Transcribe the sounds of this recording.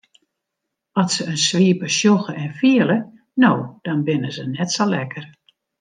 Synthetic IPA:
ɔsəənsʋiəpəʃjoxəɛnfiələ | noːd̥ɔnbɪnəzənɛtsolɛkʰər

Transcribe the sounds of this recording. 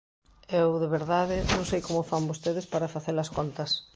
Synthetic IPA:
ewðeβeɾðaðɪnõnsejkomofambost̪eð̞espaɾafaθelaskont̪ɐs

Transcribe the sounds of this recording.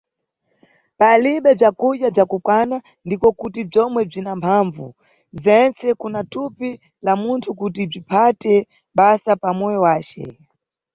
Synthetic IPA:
paliɓɛb͡ʐakuʄjab͡ʐakukwana | ndipɔkutib͡ʐɔmwɛb͡ʐinampʰaɱvṵ | zɛnt͡sɛkunatupi | lamuntʰukut̬ib͡ʐipʰatɛ | ɓasapamɔjɔwaːt͡ʃɛ̰

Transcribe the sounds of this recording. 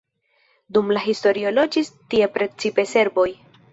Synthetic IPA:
dumlaɦisto̞ɾio̞lo̞d͡ʒistie̞pɾe̞t͡sipe̞se̞ɾbo̞j

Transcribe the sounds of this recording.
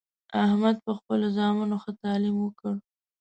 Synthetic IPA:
ahmad̪̚pəxpəlozɑmanoxət̪ɑlimwəkəɽ

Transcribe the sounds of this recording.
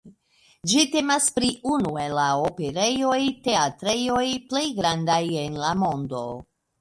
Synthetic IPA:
d͡ʒite̞maspɾiunue̞laope̞ɾe̞jo̞jte̞atɾe̞jojple̞jɡɾandajenlamo̞ndo̞̰

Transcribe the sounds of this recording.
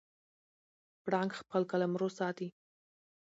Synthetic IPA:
pɽɑŋɡxpəlkalamɾosɑt̪i

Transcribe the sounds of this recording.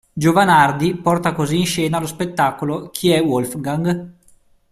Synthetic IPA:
d͡ʒovanard̪ipɔrt̪akoziːnʃɛːnalospet̪ːaːkolokʰiɛwolfɡaŋɡ

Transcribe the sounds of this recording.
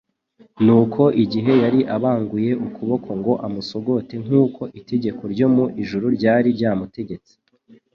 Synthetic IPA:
nuːkʰo̞ʔiɟiɦe̞jaɾiʔaβaːŋɡuje̞ʔukʰuβo̞kʰo̞ŋɡo̞ʔamuso̞ɡo̞te̞ŋ̥uːko̞ʔite̞ɟe̞ko̞ɾɟo̞muʔiʒuɾuɾɟaːɾiɾɟaːmute̞ɟe̞t͡si̥

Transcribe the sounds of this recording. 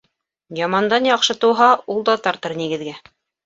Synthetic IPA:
jɑmɑnd̪ɑnjɑqʃɤt̪ŭwɦɑulˠd̪ɑt̪ɑɾt̪ɤɾniɡɘ̆ðɡæ

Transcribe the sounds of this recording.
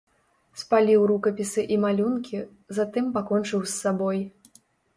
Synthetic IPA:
spalʲiwɾukɐpʲisɨʔimalʲunkʲi | zat̪ɨmpakɔnt͡ʂɨwsːabɔj

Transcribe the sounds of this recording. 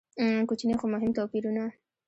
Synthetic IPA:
kut͡ʃinexomʊɦɪmt̪opiɾuna

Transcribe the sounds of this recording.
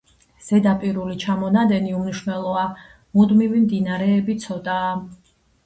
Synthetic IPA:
z̥ɛd̪apʼiɾulit͡ʃʰamɔnad̪ɛniumniʃwnɛlˠɔa | mud̪mivimd̪inaɾɛːbit̪sʰɔt̪ʼaː

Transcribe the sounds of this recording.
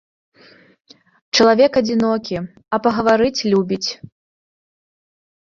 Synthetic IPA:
t͡ʃɐlˠavʲɛkɐd͡zʲinɔkʲi | ɐpɐɣɐvaɾɨt͡sʲlʲubʲit͡sʲ

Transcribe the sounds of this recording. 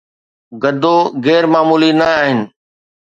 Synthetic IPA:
ɡəd̪ʱoːɣɛːɾmaːmuːlinəaːɦɪnɪ̆

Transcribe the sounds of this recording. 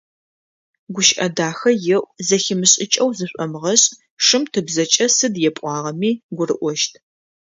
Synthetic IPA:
ɡʷʊʃʔɐdaːxɐjɪʔʷʼzɐxɪmɨɕʼɪt͡ʃʼɐwzɨɕʷʼɐmʁɐɕʼ | ʂɨmtʰɨbzɐt͡ʃʼɐsɨdjɛpʷʼɑːʁɐmiːɡʷʊrɨ̰ʔʷɔʃtʰ

